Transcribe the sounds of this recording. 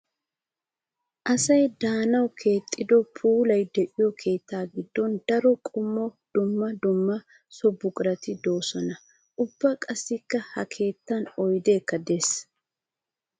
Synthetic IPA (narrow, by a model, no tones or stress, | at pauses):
ʔɐsɐjd̪aːnɐwkʰe̞ːt̪ʼːɪd̪ɔpʰuːlɐjd̪ɛʔɪjɔkʰe̞ːt̪ːaːɡɪd̪ːɔnd̪ɐɾɔkʼʊmːɔd̪̥ʊmːɐd̪ʊmːɐ | sɔbːʊkʼɪɾɐt̪ɪd̪o̞ːsɔnɐ | ʔʊb̥ːɐkʼɐsːɪkːɐhɐkʰe̞ːt̪ːɐnɔjd̪e̞ːkːɐd̪es